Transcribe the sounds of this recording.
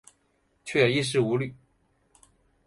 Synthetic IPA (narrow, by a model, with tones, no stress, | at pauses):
t͡ɕʰɥɛ˥˩jo˨˩i˥˧ʂ̬ɻ̩˥˩u˧˥ly˨˩˦